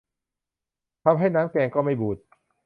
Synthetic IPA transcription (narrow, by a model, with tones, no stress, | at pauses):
t̪ʰa˧mɦa˥˩jnaː˦˥mkɛː˧ŋkɔː˥˩ma˥˩jbuː˨˩t̪̚